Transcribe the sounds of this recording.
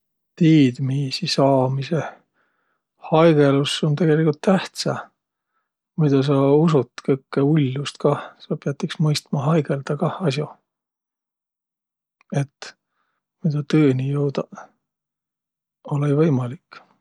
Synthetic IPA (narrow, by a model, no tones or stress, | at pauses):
t̪iːd̪̥miːsisɑːmise | hɑjɡ̥e̞luso̞nt̪e̞ɡ̥e̞likːult̪ːæht̪sɑ | mujd̪ɑs̬ɑusut̪ːˑkɤjkːeulʲːust̪kɑsɑpeɑt̪ːˑiksmɤjst̪mɑɦɑjɡe̞ld̪̥ɑkɑɑs̬jo | e̞t̪ːˑ | mujd̪ɑt̪ɤːnijowd̪ɑ | olejvɤjmɑlikː